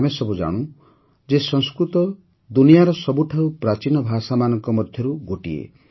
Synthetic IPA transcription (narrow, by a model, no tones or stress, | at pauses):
amesɔbud͡ʒa̰ɽ̃ũ | d͡ʒesɔ̃ŋskɾut̪ɔ | d̪unijaɾɔsɔbuʈʰaupɾat͡ʃinɔbʱasamanɔŋkɔmɔd̪ʱjɔɾuɡoʈiḛ